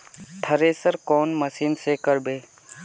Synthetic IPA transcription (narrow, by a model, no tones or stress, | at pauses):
ʈʰəɾeːsəɾkoːnməsiːnsekəɾbeː